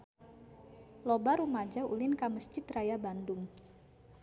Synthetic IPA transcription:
lobaɾumad͡ʒaṵlɪnkaməst͡ʃɪt̪rajabandʊŋ

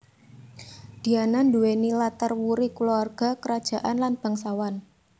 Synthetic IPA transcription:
d̪̥i̤ananduwenilat̪ərwuɾikuluarɡ̥a̤kəɾad̥ʒ̥a̤ʔanlanb̥a̤ŋsawan

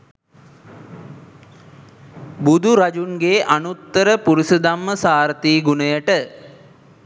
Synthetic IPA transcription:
bud̪ʱuɾad͡ʒunɡeːʔanut̪ːəɾəpuɾisəd̪amːəsaːɾət̪iːɡunəjəʈə

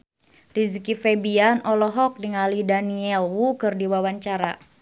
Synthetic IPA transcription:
rizikifɛbianʔɔlɔɦɔk̚diŋalidaniɛlwukɨrdiwawaɲt͡ʃaɾa

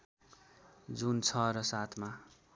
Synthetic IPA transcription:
d͡zunt͡sʰʌɾʌsat̪ʰma

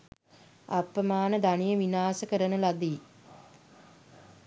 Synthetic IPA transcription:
apːəmaːnəd̪anijəʋinaːsəkəɾənəlad̪i

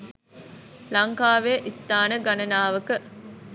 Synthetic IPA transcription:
lɐŋkaːʋeʔist̪aːnəɡɐnɐnaːʋɐkə

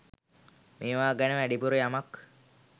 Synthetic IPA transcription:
meːʋaːɡænəʋæɖipuɾəjamak

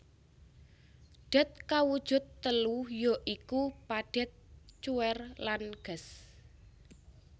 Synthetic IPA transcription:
ɖ̥ɛ̤t̪̚kawud̥ʒ̥ʊ̤t̪ːəlujoʔikupaɖ̥ɛ̤t̪̚t͡ʃuwɛrlanɡ̥ə̤s

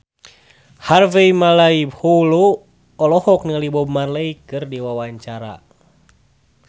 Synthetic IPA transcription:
harvɛjmalaibholo | ɔlɔhɔk̚niŋalibɔmarləikɨrdiwawaɲt͡ʃaɾa̰

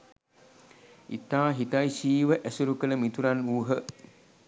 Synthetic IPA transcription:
it̪aːɦit̪ajsiːʋəʔæsuɾukələmit̪uɾanuːɦə

